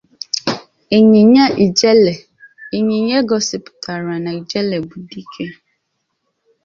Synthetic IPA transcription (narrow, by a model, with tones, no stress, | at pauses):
e˨ɲi˨ɲa˦ʔi˨d͡ʒle˨ | e˨ɲi˨ɲe˦ɡɔ˨sɪ˨pʊ̥˨tʰa˨ɾa˨na˨i˨d͡ʒe˦le˨bu˨di˦kʰe˦